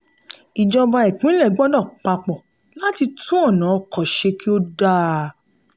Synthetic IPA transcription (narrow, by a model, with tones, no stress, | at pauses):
i˨d͡ʒɔ˧ba˧i˨k͡pũ˨˦i˦lɛ˦˨ɡ͡bɔ˦dɔ̃˦˨k͡pa˧k͡pɔ˨ | la˦ti˧tũ˦ɔ˦˨nã˨˦ɔ˧˨kɔ˨ʃe˧ki˦o˦da˦